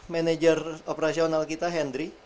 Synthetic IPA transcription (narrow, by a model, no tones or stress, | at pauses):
mɛnɛd͡ʒəropeɾasionalkit̪aɦɛndɾi